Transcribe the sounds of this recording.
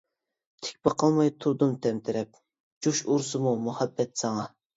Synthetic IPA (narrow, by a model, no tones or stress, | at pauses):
t̪ʰɪ̥k̚ʲpɑqʰɑlˠmɑjt̪ʰuɾd̪umt̪ʰɛmt̪ʰɪɾɛp̚ | d͡ʒuʃuɾsɨmumuhɛbːɛt̪sɑŋɑ